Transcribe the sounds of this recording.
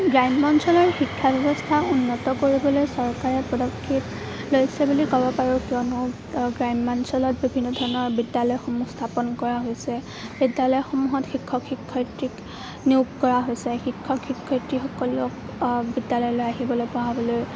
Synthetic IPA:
ɡɹajmmɔnsɔlɔɹxikʰːabɛbɔstʰaunːɔtɔkoɹibɔlojsɔɹkaɹɛpɹɔdɔkʰːit | lojsɛbulikɔbɔpaɹukɔnʊ | ɡɹajmːansɔlɔt̚bibʱinːɔdʱɔɹɔnɔɹbidjalɔjɔxɔmustʰapɔnkɔɹaɦojsɛ | b̥idjalɔjɔxɔmuɦɔtxikʰːɔkxikʰːɔɹtik | niʊkkɔɹaɦojsɛxikʰːɔkʰːikʰːɔɹtɹixɔkɔlʊk | bidjalɔjlojaɦibɔlojpɔwabɔloj

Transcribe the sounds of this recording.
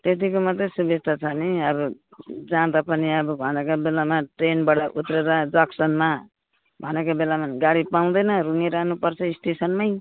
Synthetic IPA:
t̪et̪ikomʌd̪ːesubest̪ʰat͡sʰʌniʌbʌd͡zãd̪apʌniʌbʌbʱʌnekabelamaʈrenbʌɽaʔut̪ɾeɾʌd͡zʌksʌnma | bʱʌnekabelamanɡaɽipaw̃d̪ʌjnʌɾuŋiɾaɦnupʌrt͡sʰʌisʈesʌnmʌj

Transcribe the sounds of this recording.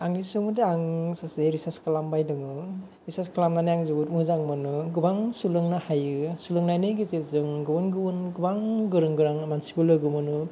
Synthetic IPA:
aŋnisuŋudeaŋsaseɾisaskʰalambajdɯŋɯ | ɾisaskʰalamnanajaŋzɯɡutmɯzaŋmɯnɯɡubaŋsulɯŋnahajɯsulɯŋnajnɯɡizezɯŋɡɯbunɡɯɯnɡubaŋɡɯɾɯŋɡɯɾaŋmansi̥bɯlɯɡɯmɯnɯ

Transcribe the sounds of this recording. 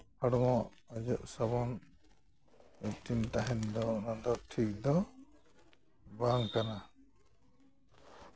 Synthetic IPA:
haɽɔmɔʔ | ad͡ʒɔʔsabɔn | ɛt̪int̪aɦɛnd̪ɔnad̪ɔʈʰik̚d̪ɔ | baŋkana

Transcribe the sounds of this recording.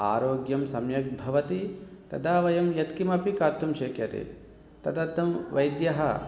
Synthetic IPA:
a̰ːɾoːɡjɐmsɐmjɐk̚bʱɐʋɐt̪it̪ɐd̪aːʋɐjɐmjɐt̪kimɐpikaːɾt̪ʰumʃɐːkjɐt̪ḛ | t̪ɐd̪ɐt̪ːɐmʋɐjd̪jɐɦɐ

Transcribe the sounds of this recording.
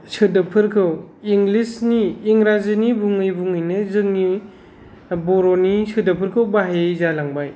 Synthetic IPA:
sɯdɯpʰɯɾkʰɯw | iŋɡlisniːŋɾazɯnibuŋɯjbuŋɯjnɯzɯŋni | bɔɾɔnisɯdɐpʰɯɾkʰɯwbaɦezalaŋbaj

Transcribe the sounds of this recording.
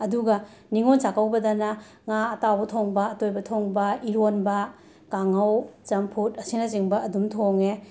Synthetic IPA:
ɐduɡɐ | niŋonsakawbɐdanɐ | ŋaɐtawbɐtʰoŋbɐːtojbɐtʰoŋbɐiɾonbɐ | kaŋɐwt͡ʃɐmpʰut̚ɐsinɐziŋbɐɐdumtʰoŋe

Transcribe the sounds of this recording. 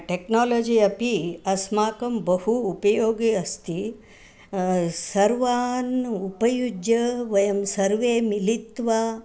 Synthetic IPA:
ʈeknaːloːd͡ʒiɐpiɐsmaːkɐmbɐhuːpɐjoːɡiɐst̪ʰi | sɐɾʋaːnupɐjud͡ʒjɐʋɐjɐmsɐɾʋeːmilit̪ʋa

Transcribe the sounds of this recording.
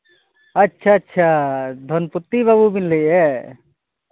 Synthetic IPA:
ɐtːʃʰaːtːt͡ʃʰad̪ʱɔnput̪ːibabubinlɛʔɛ

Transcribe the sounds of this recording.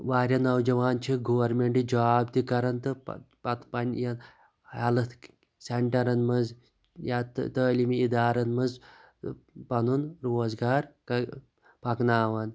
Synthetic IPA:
ʋaːɾʲjɐnɐwd͡ʒɐʋaːnt͡ʃʰiɡoʋɐɾmeɳʈid͡ʒaːbt̪ikɐɾɐnt̪ɨp | pɐt̪pɐnjɐn | ɐlɐt̪ | seɳʈɐɾɐnmɐz | jat̪t̪əːlimiid̪aːɾɐnmɐz | pɐnunɾoːzɡaːɾkɐ | pɐknaːʋɐn

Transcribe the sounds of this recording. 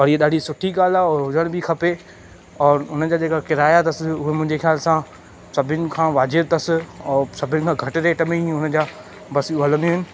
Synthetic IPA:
pɐɾieɗaːɖʱisʊʈʰiɠaːl̤aɦʊd͡ʑəɽ̃bɪxʰɐpe | ɔːɾʊnəd͡ʑaːd͡ʑeːkakɪɾaːjat̪ɐsɪʊɦemʊ̃ɦɪ̃ɲd͡ʑexjaːlsã | sɐbʱɪʊnɪ̆kʰãːʋaːd͡ʑɪbt̪ɐsɪ̆ɔːɾsɐbʱɪnɪ̆kʰãːɡʱɐʈɪɾeːʈɐmẽʊnəd͡ʑaː | bɐsiuɦɐlə̃nd̪ijũɦɪnɪ̆

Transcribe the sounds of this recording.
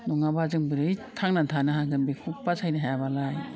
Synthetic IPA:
nɔŋabazɯŋbɯɾɯjtʰaŋnantʰanɯɦaɡɯnbekʰuk̚pasʰajnɯɦajabalaj

